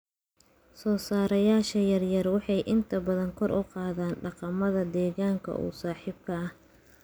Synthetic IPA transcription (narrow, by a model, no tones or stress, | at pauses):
sɔːsaːɾɐjaːʃɐjɐrjɐrwɑħɑjʔɪnt̪ʰɐbɐðɐŋkʰɔrʔʊqɑːðaːnɖɑqɑmɐðɐd̪ɛːɣaːŋkʰɐ̰ʔṵːsaːħiːb̚kʰɐʔɐh